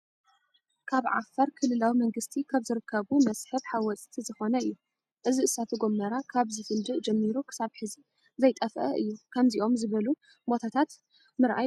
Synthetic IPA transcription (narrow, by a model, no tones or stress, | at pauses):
kʰaβʕa̰fɐɾkʰɨlːɨlawimɐŋɡɨst̪ʰikʰaβzɨɾɨkʰːɐβumɐsʼħɨβħawɔt͡sʼt̪ʰizɨxo̞nɐɨjːu | ʔɨziɨsat̪ʰuɡo̞mːɐɾakʰaβzɨfɨld̪ɨʔd͡ʒɛmːiɾukʰɨ̥saβħɨzi | zɐjt̪ʼɐfʔɐ̰ʔɨ̰jːukʰɐmziʔo̞mzɨβɐlu | bo̞t̪ʰat̪ʰat̪ | mɨɾʔa̰j